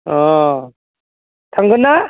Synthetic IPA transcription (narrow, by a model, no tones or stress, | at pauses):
ɔ | t̪ʰaŋɡɯnːa